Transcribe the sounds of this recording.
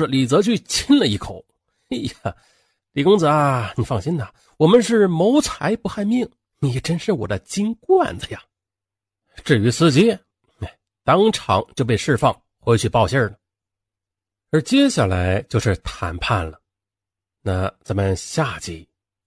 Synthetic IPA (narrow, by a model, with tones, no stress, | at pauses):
li˨˩t͡sɤ˧˥t͡ɕʰy˥˧t͡ɕʰi˥nlə˨i˥˩kʰo˨˩˦ʊ˥ | a˨˩ | li˨˩kʊ˥ŋt͡sɤ˧a˧ni˨˩fɑ˥˩ŋɕi˥nd̪ə˨ | wɔ˨˩mə˧˦nʂɻ̩˥˩mo˧˥ʊt͡sʰa˧˥ɪpu˧˥xa˥˧ɪmi˥˩ŋ˨˩ | jɛ˨˩ʈ͡ʂə˥nʂɻ̩˥˩wɔ̰˨˩d̪ə˦t͡ɕi˥nkwa̰˥˩nd͡zə˩ja˨˩ | ʈ͡ʂɻ̩˥˩y˧˥sɹ̩˧˥t͡ɕi˥˧˩ | t̪ɑ˥ŋʈ͡ʂʰɑ̰˧˥ŋt͡ɕjo˥˧ʊp̬e˥˧ɪʂɻ̩˥˧fɑ˥˩ŋ | xwe˧˥ɪt͡ɕʰy˥˩pɑ˥˧ʊɕə˥˩lə˩ | ə˞˧˥t͡ɕjɛ˥ɕja˥˩la˧˥ɪt͡ɕjo˥˧ʊʂɻ̩˥˩t̪ʰa̰˧˥npʰa˥˩nlə˩ | na˥˩t͡sə˧˨˩nmə˧ɕja˥˧t͡ɕi˥˩